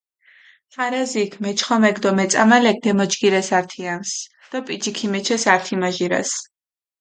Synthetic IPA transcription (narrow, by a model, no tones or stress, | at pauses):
χaɾazikʰmɛt͡ʃʰχɔmɛɡd̪ɔmɛt̪sʼamalɛk̚d̪ɛmɔd͡ʒɡiɾɛsaɾt̪ʰiams | d̪̥apʼid͡ʒikʰimɛt͡ʃʰɛsaɾt̪ʰimaʒiɾa̰s